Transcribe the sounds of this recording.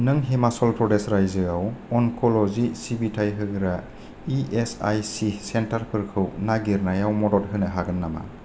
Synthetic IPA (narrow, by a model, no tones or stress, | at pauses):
nɯŋɦemasɔlpɾɔdesɾajzɯawɔnkʰɔlɔzisibitʰajɦɯɡɯɾa | iesajsisentaɾpʰɯɾkʰɯwnaɡiɾnajawmɔdɔt̚ɦɯnɯɦaɡɯnːama̰